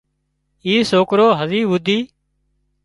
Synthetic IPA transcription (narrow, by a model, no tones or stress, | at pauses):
iːsoːkɾoːɦəziːʋʊd̪ʱiː